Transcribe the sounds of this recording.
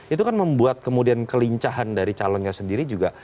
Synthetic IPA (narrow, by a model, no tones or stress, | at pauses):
it̪ukanməmbuat̪̚kəmudiankəliɲt͡ʃaɦandaɾit͡ʃalɔnɲasəndiɾid͡ʒuɡa